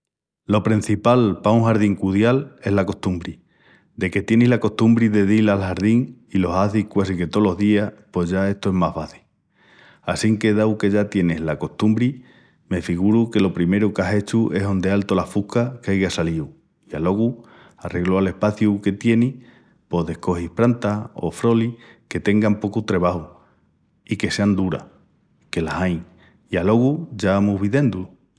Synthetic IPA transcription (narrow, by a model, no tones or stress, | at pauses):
lo̞pɾin̟θipalpauŋhaɾð̞iŋkuðjale̞ɦlako̞ht̪umbɾi | d̪e̞ke̞t̪je̞niɦlako̞ht̪umbɾiðeðilalhaɾðiŋilo̞saθikwasike̞t̪o̞lo̞ɦðiapo̞ʝae̞ht̪oe̞ɦmaɦβaθi̥ | asiŋke̞ðawke̞ʝat̪je̞nehlako̞ht̪umbɾi | me̞fiɣuɾuke̞lo̞pɾime̞ɾukase̞t͡ʃue̞so̞nd̪e̞alt̪o̞lafuhkakeajɣasaliu | ialo̞ɣu | arʔe̞ɣloale̞hpaθjuke̞t̪je̞ni | po̞ðe̞hko̞hihpɾant̪ao̰fɾo̞like̞t̪e̞ŋɡampo̞kut̪ɾe̞βahu | ike̞se̞and̪uɾa̰ | ke̞lasajŋ | ialo̞ɣuʝaamuɦβiðe̞nd̪u